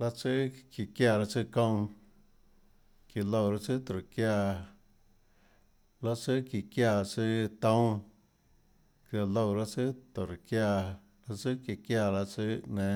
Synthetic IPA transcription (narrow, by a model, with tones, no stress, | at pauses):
la˦t͡sɨ˦ki˧kja˧˨ɾa˧t͡sɨ˦kõ˧w̃ | ki˧lo˧wɾa˦t͡sɨ˦t̪o˨ɾkja˧ | la˦t͡sɨ˦ki˧kjaː˧˨t͡sɨ˦t̪õ˦w̃ | kja˧lo˧wɾa˦t͡sɨ˦t̪o˨ɾkja˧ | la˦t͡sɨ˦kji˧kja˧la˧t͡sɨ˦ʔnẽ˨